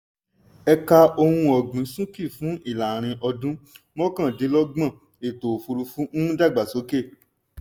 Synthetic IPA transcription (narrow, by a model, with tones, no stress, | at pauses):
ɛ˧ka˧o˧hũ˧ɔ˨ɡ͡bĩ˨˦sũ˦ki˦˨fũ˨˦ʔi˦˨la˨ɾ̃ĩ˧ʔɔ˧dũ˦ | mɔ̃˦kã˦˨dĩ˨˦lɔ˦ɡ͡bã˦˨ | e˨to˨fu˧ɾu˧fũ˨˦ñ̩˦da˦˨ɡ͡ba˨so˨˦ke˦˨